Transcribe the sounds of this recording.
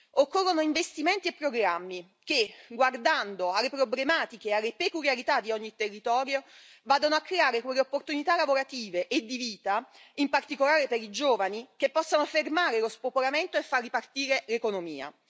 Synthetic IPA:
okːorːonoiɱvest̪iment̪iepːɾoɡɾamːi | keɡward̪and̪oalːepɾoblemaːt̪ikealːepekuljaɾit̪ad̪ːiɔɲːit̪erːit̪ɔːɾjo | vaːd̪onoakːɾeaːɾekwelːeopːort̪unit̪alavoɾat̪iːveʔed̪ːiviːt̪aimpart̪ikolaːɾepeɾid͡ʒoːvanikepːɔsːanofermaːɾelospopoɾament̪oefːarːipart̪iːɾelekonomḭːa̰

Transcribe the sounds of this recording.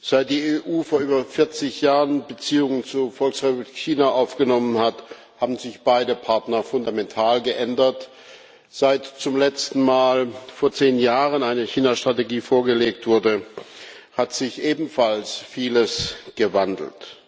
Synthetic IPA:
z̥aɪt̚d̥iːeʔuːfoːɐʔyːbɐfɪɐt͡sɪçjaːʁənbət͡siːʊŋənt͡suɐfɔlksʁɛpubliːkːiːnaʔaʊfɡ̥ənɔmənhat | haːbm̩zɪçb̥aɪdəpʰaɐtnɐfʊndamɛntʰaːlɡəʔɛndɐt | z̥aɪtt͡sʊmlɛt͡stn̩maːlfoːɐt͡seːnjaːʁənaɪnəçiːnaʃtʁ̥ateɡiːfoːɐɡəleːk̚tv̥ʊɐdə | hatz̥ɪçʔeːbm̩falsfiːləsɡ̥əvandl̩t

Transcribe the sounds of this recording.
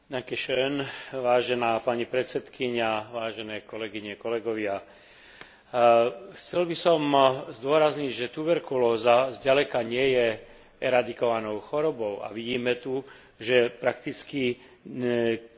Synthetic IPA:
nakɛʃɛnʋaːʒɛnaːpaɲipɾɛt̪sɛt̪kiɲaʋaːʒɛnɛːkɔlɛɡiɲɛkɔlɛɡɔʋɪa | xt͡sɛlbisɔmzd̪ʊɔɾazɲiɟʒɛt̪ubɛɾkulɔːzazɟalɛkaɲɪɛjɛ | ɛɾad̪ikɔʋanɔʊxɔɾɔbɔʊa̰ʋiɟiːmɛt̪u | ʒɛpɾakt̪it͡ski

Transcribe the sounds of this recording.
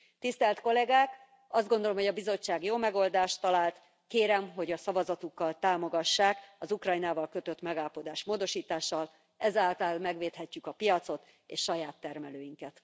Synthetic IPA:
t̪ist̪ɛlt̪ko̞lɛɡaːk | ɒzd̪ɡo̞nd̪olo̞mhoɒbizo̞t͡ʃːaːɡjoːmɛɡo̞ld̪aːʃt̪ːɒlaːlt̪ | keːɾɛmɦo̞ɟɒsɒvɒzɒt̪ukːɒlt̪aːmo̞ɡɒʃːaːkɒzukrɒjnaːvɒlkø̞t̪øt̪mɛɡalpo̞d̪aːʃmoːd̪o̞ʃiːt̪aːʃːɒl | ɛzaːlt̪ɒlmɛɡʋeːt̪hɛcːykɒpijɒt̪so̞t̪ | ḛːʃʃɒjaːt̪ːɛrmɛløːjiŋkɛt̪

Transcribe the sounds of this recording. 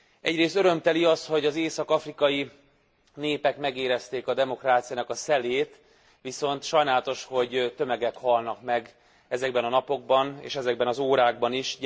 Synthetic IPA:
ɛɟreːst̪øɾø̞mt̪ɛliɒst̪ho̞ɟɒzeːsɒkɒfrikɒji | neːpɛkmɛɡeːɾɛst̪eːkɒd̪ɛmo̞kraːt̪sijaːnɒkɒsɛleːt̪ | ʋiso̞nt̪ʃɒjnaːlt̪o̞ʃho̞ɟt̪ø̞mɛɡɛkhɒlnɒkmɛɡ | ɛzɛɡbɛnɒnɒpo̞ɡ̚bɒnḛːʃɛzɛɡbɛnɒzoːɾaːɡ̚bɒniʃ

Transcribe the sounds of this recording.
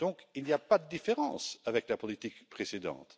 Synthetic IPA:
d̥ɔ̃kilniapad̪əd̪ifeʁɑ̰̃savɛklapɔlit̪ikpχesed̪ɑ̰̃ːt̪

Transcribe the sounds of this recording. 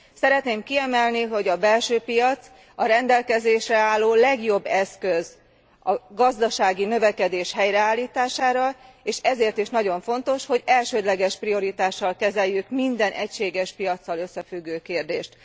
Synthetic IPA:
sɛɾɛt̪neːmkiɛmɛlniɦo̞ɟɒbɛlʃøːpijɒt̪s | ɒɾɛnd̪ɛlkɛzeːʃrɛaːlːoːlɛɡjo̞bːɛskøz | ɒɡɒzd̪ɒʃaːɡinø̞vɛkɛd̪eːʃhɛjɾɛaːlːiːt̪aːʃaːɾɒeːʃɛzeːrt̪iʃnɒɟo̞ɱfo̞nt̪o̞ʃho̞ɟɛlʃøːd̪lɛɡɛʃprio̞ɾit̪aːʃːɒlkɛzɛjːykmind̪ɛnʔɛcʃeːɡɛʃpijɒt̪sːɒlø̞sːɛfyɡːøːkeːrd̪ḛːʃt̪

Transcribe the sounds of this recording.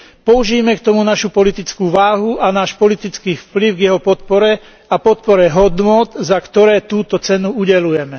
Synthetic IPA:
pɔuʒiːmɛkt̪ɔmunaʃupɔlit̪it͡skuːʋaːɦuʔanaːʃpɔlit̪it͡skiːfpliʊɡjɛɦɔpɔt̪̚pɔɾɛ | apɔt̪̚pɔɾɛɦɔd̪nʊɔd̪zakt̪ɔɾɛːt̪uːt̪ɔt͡sɛnuuɟɛlujɛmɛ

